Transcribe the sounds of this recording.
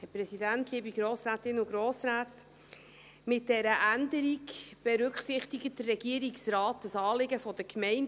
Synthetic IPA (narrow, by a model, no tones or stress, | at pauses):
hɛpɾɛsidæntliːbiɡɾoːsɾæːtɪnʊɡɾoːsɾaːt | mɪt̚d̥ɛɾəʔændəɾikb̥ɛɾʏkχsɪχtɪɡət̚d̥ərːɛɡiːəɾiksɾɑːtəsɑːlɪɡəfɔd̥əkmɛɪn